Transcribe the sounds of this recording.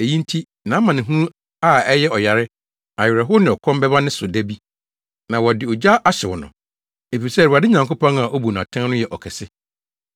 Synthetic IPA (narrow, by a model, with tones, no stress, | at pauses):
e˨jĩ˦n̩˦tʰi˦ | nã˨˦mã˨nɪ̃˨ɦũ˦ | a˦˨ɛ˦jɛ˦ɔ˨ja˨ɾɪ˦ | a˨jɪ˨ɾɛ˨ɦʊ˦nɪ̃˨ɔ˨kʰɔ̃˦mbɛ˦ba˦nɪ̃˦sʊ˨dæ˦bi˦ | nã˨wɔ˨dɪ˨ɔ˨d͡ʑa˦ʔa˦ɕɪ˨wʊ˨nʊ̰̃˨ | e˨fi˨sɛ˦˨a˨dɪ˦ɲã˨ŋko˦pɔ̃˦ŋa˨ʔo˦bu˨n˨ã̰˨tʰã˦nʊ̃˦jɛ˨ʔɔ˨kʰɛ˨sɪ˦